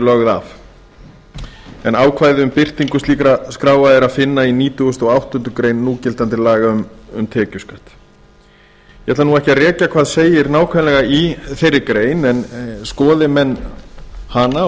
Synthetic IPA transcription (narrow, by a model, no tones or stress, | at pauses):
lœɣða̰f | ɛnaːwkʰvaːjðɪʏmpɪr̥t̪iŋkʏst̪iːkɾaskɾaːwvaðɪɾaðfɪnːainiːt̪ʏɣʏst̪ɔɣawht̪ʏnt̪ʏkɾeːjnːuːcɪlt̪ant̪ɪlaːɣaʏmʏmt̪ʰɛːcʏskaht̪ | jɛt̪lanuɛhcɪarɛːcakʰv̥aːðseːjɪɾnaːwkʰvalɛɣaiθejɾːɪkɾeːjnɛnskɔːðɪmɛnː | hana